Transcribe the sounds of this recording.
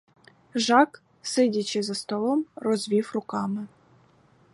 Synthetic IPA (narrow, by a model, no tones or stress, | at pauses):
ʐɑk | sɪdʲat͡ɕɪzɐst̪ɔlˠɔmrɔzʲʋʲiwrʊkɑmɪ